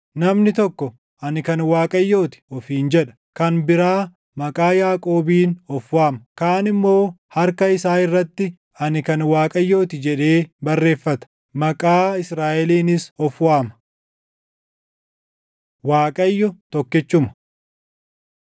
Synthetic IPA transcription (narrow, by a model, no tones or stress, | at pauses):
nɐmnɪt̪ɔkːɔ | ʔɐnɪkɐnwaːkʼɐjːo̞ːt̪ɪ̥ɔfiːnd͡ʒɛᶑɐ̥ | kɐnbɪɾaː | mɐkʼaːjaːkʼo̞ːbiːnɔfwaːmɐkaːnɪmːo̞ː | hɐɾkɐɪsaːɪrːɐt̪ːɪ | ɐnɪkɐnwaːkʼɐjːo̞ːt̪ɪd͡ʒɛᶑe̞ːbɐrːe̞ːfːɐt̪ɐ̥ | mɐkʼaːɪsɾaːʔɛliːnɪsɔfwaːmɐ̥ | waːkʼɐjːɔt̪ɔkːɪt͡ʃːʊmɐ̥